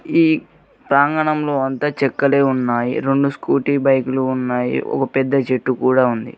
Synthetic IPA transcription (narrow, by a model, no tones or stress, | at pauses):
iː | pɾaːŋɡɐɳɐmlo̞ːɐnt̪aːt͡ʃɛkːɐle̞ːunːaːjḭɾe̞ɳɖuskuːʈiːbɐjkuluːnːaːjḭɔ̰kɐpɛd̪ːɐt͡ʃeʈːukuːɽaːund̪ḭ